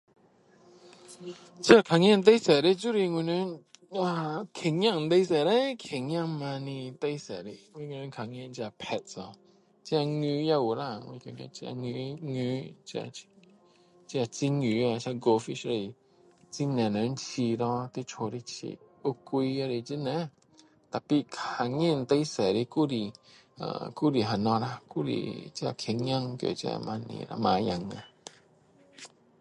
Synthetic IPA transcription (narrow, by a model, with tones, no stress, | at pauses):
t͡ʃi˧a˧˨kʰa˨ŋ˦ɛ̃˥˧˨n˧t̪̬e˧˦jsɛ˨ɾi˦˨t͡ʃu˦˨ɾi˧ŋwi˧nə˧˦na˧kʰe˨ŋja˥˧˨ŋ˧t̪e˧˦sɛ˨ɾe˧˦kʰe˨ŋ˦ã˥˧˨ŋmã˧nĩ˧t̪e˦sɛ˨ɾi˧ŋwi˧˨ŋwɛ˧nə˧˦kʰa˨ŋ˧ɛ̃˧˨nt͡ʃi˧a˧˨pʰɛ˧t̚sɔ˧˨ | t͡ʃi˧a˧ŋy˧˦ja˧˨wu˨la˧˨ŋwḭ˧˨ko˧˨˦ɲã̰˧t͡ʃa̰˧ŋ˧ŋy˧˦t͡ʃa̰˧ | t͡ʃa˧t͡si˦ŋu˨˦a˧ʃa˧ɡo˧fi˦ʃɾe˧i˧˨ | t͡si˦nɛ̃˨nã˨˧n˦t͡ʃi˧ɾɔ̃˧t̪i˦t͡ʃho˧˨ɾi˧t͡ʃḭ˧˨ʔ | u˦kʷi˧ja˧ɾi˧t͡ʃi˦nɛ̃˨˦ | t̪a˨pi˦ka˧ŋĩ˦˨˧n̩˧t̪ə˧˦i˦sɛ˨ɾi˧ku˦ɾi˧ | a̰˧˨ku˦ɾi˧˨ɦa˨nɔ̃˧ɾa˧ku˦ɾḭ˧t͡ʃa̰˧˨kʰe˧˨ɲã˦ŋkjo̰˨t͡ʃa̰˧mã˧nḭ̃˨ɾa̰˧mã˧ja˧ŋã˧